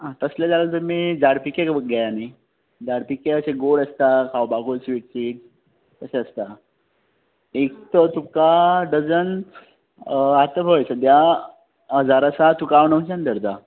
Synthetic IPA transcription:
ɦãt̪əslad͡zalət̪əɾmid͡zaɽpikekɡʱajani | d͡zaɽpikeəseɡoɽəst̪akʰawbaɡosʋiːʈsiːʈ | kəseəst̪a | ek̚t̪ət̪ukaɖəd͡zən | at̪əbəjsəd̪ja | ɦəd͡zaɾasat̪ukaʋnə̃wt͡ɕãnd̪əɾd̪a

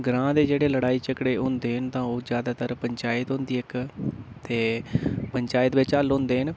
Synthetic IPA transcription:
ɡɾãːd̪eːd͡ʒeːɽeːləɽaːiːt͡ʃəkɽeːɦʊ̃nd̪eːɦənt̪ãːoːd͡ʒjaːd̪aːt̪əɾpəɲt͡ʃaːɪt̪ɦõnd̪iːɪkt̪eːpəɲt͡ʃaːɪt̪ʋɪt͡ʃəlʊ̃ːnd̪eːɦən

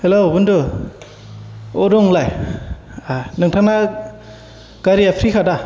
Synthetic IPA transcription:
helobundɯ | odɔŋlaj | anɯŋtʰana | kaɾiapʰɾikʰada

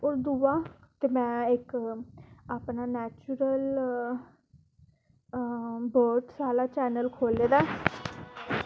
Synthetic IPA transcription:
ɔːɾd̪uːaːt̪eːmɛ̃ːɪk | aːpnaːnɛːt͡ʃʊɾəl | bəɾʈsaːlaːt͡ʃɛːnəlkʰoːleːd̪aː

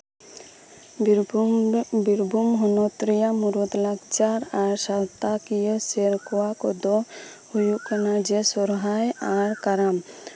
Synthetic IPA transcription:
biɾbʱumɦɔnɔt̪ɾijamuɾɔt̪laɡt͡ʃaɾaɾsawt̪akijɔseɾkɔwakɔd̪ɔhujuʔkanad͡ʒɛsɔɾɦajaɾkaɾam

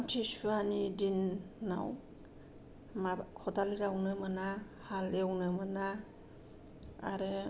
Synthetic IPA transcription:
mtʰisuanidinːa̰w | makʰɔtalizawnɯmana | halewnɯmɯna | a̰ɾɯ

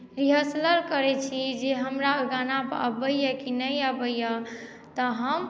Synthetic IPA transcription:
ɾiɦəsləɾkəɾɛt͡ʃʰid͡ʒeɦəmɾaoɡanapə̰bəjəkinəjəbəjə | t̪ɔɦəm

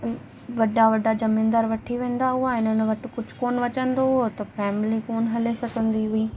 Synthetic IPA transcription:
ʋɐɖaʋɐɖʱad͡ʑɐmɪ̃ːnd̪əɾʋɐʈʰiʋẽːn̆d̪aɦuaɪn̤ənɪ̆ʋɐʈɪ̆kʊd͡ʑʱʊ̥̆koːnʋɐt͡ɕə̃nd̪ot̪ɐfɛːmɪlikoːnɦɐlesɐɡʱə̃nd̪iɦʊiː

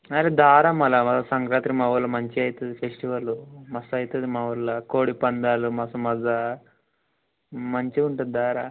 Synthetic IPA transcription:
ɐɾed̪aːɾamɐlɐmɐzɐsɐŋkɾaːt̪ɾimɐʋɐlːɐmɐɲt͡ʃiɐjt̪ɐd̪ipʰesʈiʋɐlumɐsɐjt̪ɐd̪imɐʋɐlːɐkoːɽipɐnd̪aːlumɐsɐmɐzɐ | mɐɲt͡ʃiuɳʈɐd̪id̪ʱaːɾa

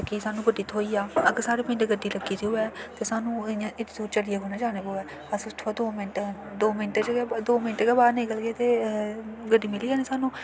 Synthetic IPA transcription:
əkiːsaːnũːbəɖiːt̪ʰoːiːaːəɡəɾsaːɾeːpɪ̃ːɳʈːɡəɖiːləɡiːt̪iɦʊɛːt̪eːsaːnũːãːʔɪt̪duːt͡ʃəɽijaːkoːnaːd͡ʒaːneːboːɛː | əsʊst̪ʰaːd̪oːmɪnʈ | d̪oːmɪnʈet͡ʃɡɛd̪oːmɪnʈːɡɛːbaːd̪nẽːkəlɡeːt̪eː | ɡəɖːiːmɪliːaːneːsaːnũː

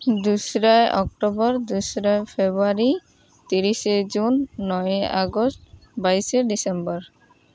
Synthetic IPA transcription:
d̪usɾajʔɔk̚ʈobɔɾd̪usɾajfʰebuaɾi | t̪iɾised͡ʑunːɔjeʔaɡostbajseɖisembɔɾ

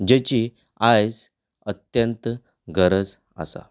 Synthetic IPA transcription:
d͡ʑet͡ɕi | ajs | ət̪jənt̪ | ɡʱəɾəd͡z | a̰sa̰

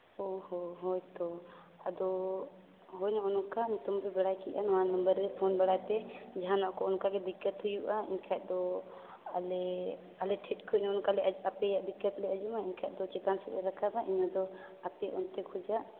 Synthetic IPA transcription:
ɔɦɔɦɔjt̪ɔ | ad̪ɔ | ɦɔjɲɔɔnɔkaɲit̪ɔmbɛbɛɽajkiʔanwannəmbəɾːɛpʰɔnbɛɽajt̪ɛd͡ʒaɦanaʔkɔɔnkaɡɛd̪ikːət̪ɦujuʔaḭɲkʰaʔ̚d̪ɔ | alɛ | alɛʈʰɛt̪̚kʰɔɲɔɔnɔkalɛʔapɛjaʔb̪ikːət̪lɛad͡ʒumaiɲkʰaʔ̚d̪ɔt͡ʃɛt̪ansɛbɛɾakʰabaʔiɲɔd̪ɔ | apɛʔɔnt̪ɛkʰɔd͡ʒaʔ

